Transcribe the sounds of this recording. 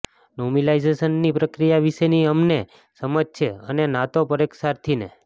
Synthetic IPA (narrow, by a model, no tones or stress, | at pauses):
nomilajzesənːipɾəkɾijaʋiʃeniəmne | səməd͡ʒt͡ʃʰeənenat̪opəɾeksaɾt̪ʰinḛ